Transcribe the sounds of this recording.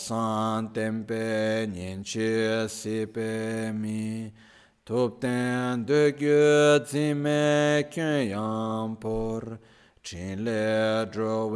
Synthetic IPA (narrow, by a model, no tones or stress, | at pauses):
saŋt̪ɛnpɛːɲɛnt͡ɕʰesepɛːmi | t̪ʰup̚t̪ɛnnd̪øcød͡zimɛkønjaŋpɔɹ | ʈ͡ʂʰinlɛʈ͡ʂɔw